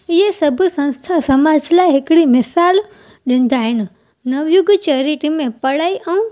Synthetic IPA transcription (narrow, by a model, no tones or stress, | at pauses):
ɪɦesɐbʱʊsɐ̃ñst̪ʰasɐmaːd͡ʒʱlaɦɪkɪɽimɪsaːl | ɗɪ̃n̆d̪aɦɪnɪ̆ | nɐʋjʊɡt͡ɕeːɾɪʈimẽpɐɽaːiʔɛũ